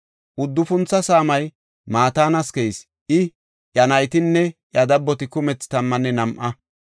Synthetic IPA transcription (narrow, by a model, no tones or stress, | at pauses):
ʔʊd̪ːʊfʊnt͡sːɐsaːmɐj | maːt̪aːnɐskɛjs | ʔɪ | jɐnɐjt̪ɪnːɛʔjɐd̪ɐbːɔt̪ɪkʊmɛt͡sːɪ̥t̪ɐmːɐnːɛnɐmʔɐ